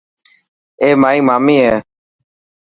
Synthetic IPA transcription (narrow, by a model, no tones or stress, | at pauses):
eːmaːiːmaːmiːɦeː